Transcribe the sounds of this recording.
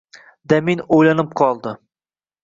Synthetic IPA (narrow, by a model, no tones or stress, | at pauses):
d̪aminojlanɪp̚qʰɒlˠd̪ɪ